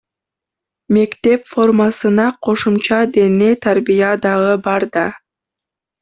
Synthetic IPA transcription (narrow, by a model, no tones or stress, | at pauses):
me̞kt̪e̞pfo̞rmɑsɯnɑqʰo̞ʃumt͡ʃɑd̪enejt̪ʰaɾbijɑd̪ɑʁɯbɑɾd̪ɑ